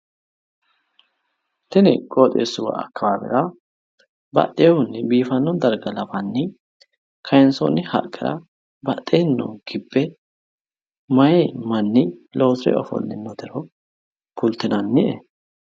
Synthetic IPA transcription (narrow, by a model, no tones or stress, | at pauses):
t̪ɛnɪkʼoːt̪ʼḛːsːʊwɐ̰ɐ̰kːɐwaːbɛ̰ɾɐ | bɐ̰ʔ̪ːeːhʊnːɪbiːfɐnːɔd̪ɐɾɡɐlɐbɐnːɪ | kʰɐjɛnso̰nɪhɐ̰kʼːɪɾɐ̰ | bɐt̪ʼːeːnːɔ̰ɡ̥ɪbːɛ | mɐjemɐnːɪlo̞ːsɾɛ̰ɔ̰fɔ̰nːɪnɔd̪ɪɾɔ | kʊlt̪ːɪnɐnːɪʔɛ̰